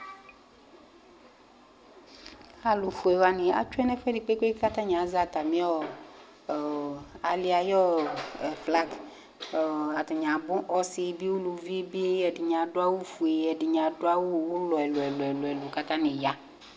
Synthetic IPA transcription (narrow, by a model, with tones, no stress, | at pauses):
a˨lu˨fu˨e˨wa˨nĩ˨a̰˨t͡ʃu˦ɛ˦nɛ˦fɛ˦di˨k͡pe˦k͡pe˦ka˦t̪ã˦ɲ˨ã˨˦za˦˨t̪a˨mĩ˦ɔ˦˨ | a˨li˦a˨jɔ˦ɛ˨fla˦ɡ | a˨t̪ɔ˨ɲã˨bʊ̃˦ʔɔ˦si˦bi˦wo˦lu˨vi˦e˦bi˦e˦jɛ˨dɪ˨ɲã˨ɖʊ˦a˦wo˦fu˨e˨jɛ˨ɖɪ˨ɲã˨dʊ˦a˦wo˦wo˦lɔ˨ɛ˨lo˨ɛ˨lʊ˨ɛ˨lo˨ɛ˨lo˨ka˦t̪ã˦nĩ˨ja˦